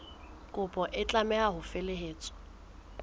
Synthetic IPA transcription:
kʼʊpʼɔʔɪt͡ɬʼamɛaɦʊfeleɦeːt͡sʼɔ̥

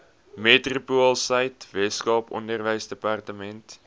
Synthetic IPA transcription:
metrupuəlˠsəjtvɛtskɑːpɔ̰ndərvəjsdəpɑrtəmɛnt

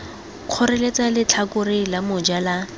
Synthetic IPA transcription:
q͡χʰɔɾɛlet͡salɪt͡ɬʰakʊrɪlamʊd͡ʒala

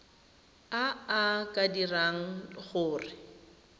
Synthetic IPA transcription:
aakʼadiraŋ̩χʊːrɪ

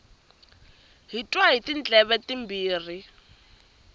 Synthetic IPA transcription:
ɦitʼwaɦitin̩t͡ɬʼɛβɛtimbiːr̤i

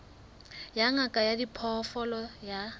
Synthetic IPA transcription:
jaŋakʼajadipʰɔfɔlɔja

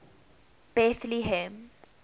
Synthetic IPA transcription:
b̥ɛθliɦɛ̃m

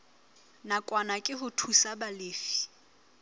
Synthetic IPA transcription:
nakʼwanakʼɪɦʊtʰusabaleːfi̥

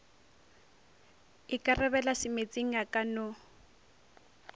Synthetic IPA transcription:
ɪkʼarɛβɛlasɪmet͡sʼeŋ̩jakʼanʊ

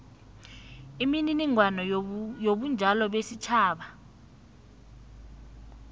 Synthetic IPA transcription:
imininiŋwanɔjoɓund͡ʒʱalɔɓesit͡ʃʰaːɓa

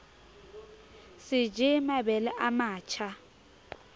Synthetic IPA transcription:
sɪd͡ʒʱɪmabɛlɛʔamaːt͡ʃʰa

